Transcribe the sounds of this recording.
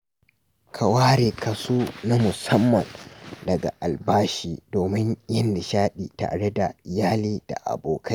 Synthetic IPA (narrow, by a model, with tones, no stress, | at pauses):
kʰa˨waː˦ɾeː˨kɐ˨suː˦na˦mʊ˨sɐ˦mːɐ˨ndɐ˨ɡa̰˨ʔa˨lbaː˦ʃiː˦doː˨mɪ˦ɲjɐ˦nda˨ʃaː˦ɗiː˨ta̰ː˨ɽe˦da˨jaː˦liː˦d̥a̰˨ʔa̰˨boː˨kʰɐ˦